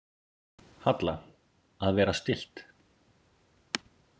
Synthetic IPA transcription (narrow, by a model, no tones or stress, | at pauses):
hat̪la | aðvɛːɾast̪ɪl̥t̪